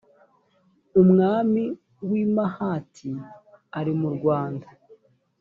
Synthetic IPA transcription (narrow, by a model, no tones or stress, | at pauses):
umŋaːmi | wiːmahatʰiaɾimuɾɡwaːnda